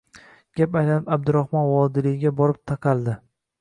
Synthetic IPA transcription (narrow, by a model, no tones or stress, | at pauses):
ɡ̥ʲapajlanɪpab̚d̪ʊɾahmɒnvɒd̪ɪlɪjɡʲabɒɾɪp̚t̪ʰaqʰɑlˠd̪ɪ